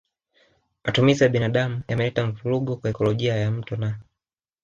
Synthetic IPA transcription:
mʔatumizijaɓinaɗamujamɛlɛtaɱ̩vuluɡɔkwaɛkɔlɔʄiajam̩tɔna

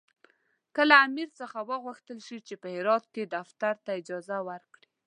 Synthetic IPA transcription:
kəlaːmiɾt͡səxawəɣwuxt̪əlʃit͡ʃepəhɪɾɑt̪̚ked̪aft̪aɾt̪aɪd͡ʒɑzawəɾkɽi

